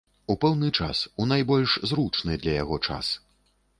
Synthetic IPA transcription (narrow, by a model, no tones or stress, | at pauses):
upɛwnɨt͡ʂa̰sunajbɔlʲʂzɾut͡ʂnɨd̪lʲɐjaɣɔt͡ʂa̰s